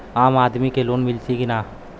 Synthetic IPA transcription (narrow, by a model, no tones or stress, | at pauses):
aːmaːd̪mikeloːnmɪlsikɪnaː